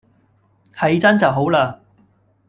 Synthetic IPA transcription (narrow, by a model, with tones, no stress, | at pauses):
hɐ˨˧jt͡sɐ˥nt͡sɐ˨wɦo˨˥wlaː˧